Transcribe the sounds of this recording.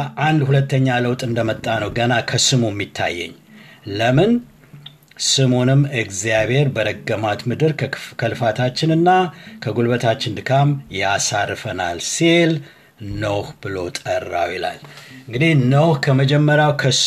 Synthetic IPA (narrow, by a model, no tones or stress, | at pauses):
ʔand̪hulət̪ːəɲːaləwt̪ʼɨnd̪əmət̪ʼːanəwɡənakʰəsɨmumːit̪ʰːa̰jːɛ̰ɲː | ləmɨn | sɨmonɨmːɨkzijabhe̞ɾbəɾəɡːəmat̪mɨd̪ɨɾkʰəlɨfat̪ʰat͡ʃːɪnɨnːakʰəɡulbət̪ʰat͡ʃːɪnd̪ɨkʰamjasarːɨfəna̰lsel | nəwhbɨlo̞̰t̪ʼərːa̰wjɪla̰lɨŋɡɨd̪inəwhkʰəməd͡ʒɛmːəɾjawkʰəs